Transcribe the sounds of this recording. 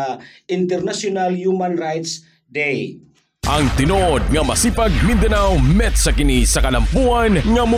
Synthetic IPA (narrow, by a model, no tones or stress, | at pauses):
int̪ɛɾnasjunaljumanrajt̪s | d̪ej | ʔɐŋt̪ɪnod̪̚ŋɐmɐsipaɡ̚mind̪ɐnawmɛt̪sɐkɪnisɐkɐlɐmpuanŋɐmʊ